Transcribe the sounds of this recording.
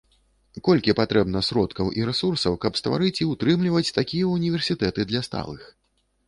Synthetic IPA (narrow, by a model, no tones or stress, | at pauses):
kɔlʲkʲipat̪ɾɛbnɐsɾɔt̪kɐwʔiɾɛsursɐwkɐpst̪va̰ɾɨt͡sʲiwt̪ɾɨmlʲivɐt͡sʲt̪akʲijɐunʲivʲɛrsʲit̪ɛt̪ɨd̪lʲɐst̪a̰lˠɨx